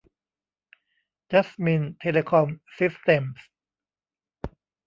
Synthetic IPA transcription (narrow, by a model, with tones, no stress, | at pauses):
t͡ɕa˦˥smi˧nt̪ʰe˧leː˧kʰɔ˧msi˦˥st̪e˧ms